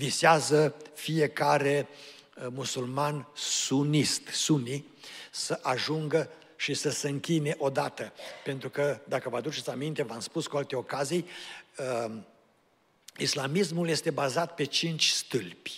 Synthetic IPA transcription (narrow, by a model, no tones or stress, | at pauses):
viseazəfije̞kaɾe̞ | musulmansunist̪suni | səʔaʒuŋɡə | ʃisəseɨŋkʲine̞ʔo̞d̪at̪əpe̞nt̪ɾukəd̪akəvad̪ut͡ʃesamint̪e̞vamspuskualt̪eo̞kazijə | islamis̬mulje̞st̪e̞bazat̪̚pe̞t͡ʃint͡ʃʲst̪ɨlpʲ